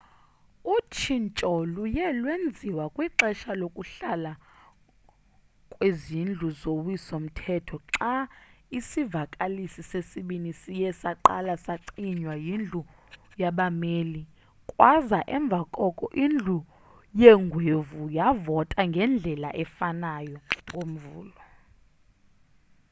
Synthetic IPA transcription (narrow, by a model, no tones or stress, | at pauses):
ut͡ʃʰint͡ʃʼɔlujɛlwend͡zʱiwakʼwiǁɛʃalokʼuɬala | kʼwezind͡ɮʱuzowisom̩tʰɛtʰɔǁaisivakʼalisisesiɓinisijɛsaǃa̰lasaǀiɲwajind͡ɮʱu | jaɓameːli | kʼwazaʔɛɱb̪vʱakʼɔkʼɔʔind͡ɮʱu | jɛŋɡʱwevujavɔtʼaŋɡʱɛnd͡ɮʱɛla̰ʔɛfanajɔŋkʼom̩vuːlɔ